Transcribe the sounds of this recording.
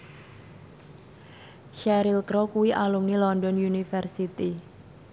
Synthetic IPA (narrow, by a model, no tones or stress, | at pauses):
ʃɛɾilkɾɔkuwiʔalumnilɔndɔnjunifɛrsit̪i